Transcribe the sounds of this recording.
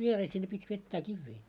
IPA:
ʋiereː sinːe pitʲ ʋetːæː kiʋːiː

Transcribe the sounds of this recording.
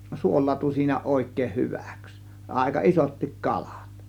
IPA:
suolˑɑːtu siːnæ oˑe̝kˑeːh hyʋæ̥ks ɑˑe̝kɑ isotːik kɑl̥ɑ̥t

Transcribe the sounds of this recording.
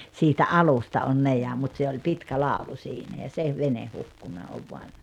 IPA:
siːtæ ʔɑlustɑ on ne jɑ mut se olʲ pitkæ lɑˑulu siːnæ jɑ se ʋene hukːunɑ oʋ ʋoɑn

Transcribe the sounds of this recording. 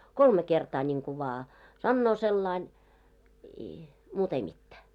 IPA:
kolme kertɑː nʲiŋku ʋɑː sɑnːoː selːɑin i muːt ei mitːæː

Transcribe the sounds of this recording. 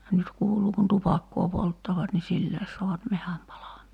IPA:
nyt kuːluː kun tupɑkːoː poltːɑʋɑt ni silːæes so̝ɑʋɑt mehæm pɑlɑmˑɑː

